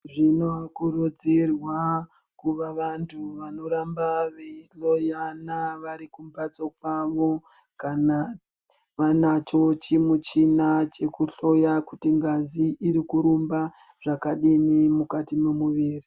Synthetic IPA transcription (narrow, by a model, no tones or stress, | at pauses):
ʐinoakurud͡zirwa | kuʋaʋantʰuʋano̞ɾambaʋeiɬo̞janaʋaɾikumbat͡sok̚waʋo̞ | kana | ʋanat͡ʃo̞t͡ʃimut͡ʃinat͡ʃe̞kuɬo̞jakutiŋɡaziʔːɾikuɾumba | ʐ̥akaɗinimukatimemuʋiːri